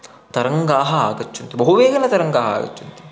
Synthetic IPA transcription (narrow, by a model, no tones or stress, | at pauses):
t̪ɐɾɐŋɡaːɦɐaːɡɐt͡ʃːunt̪ibɐɦuʋeːɡɐnɐt̪ɐɾɐŋɡaːɦɐa̰ːɡɐ̰t͡ʃːunt̪iu̥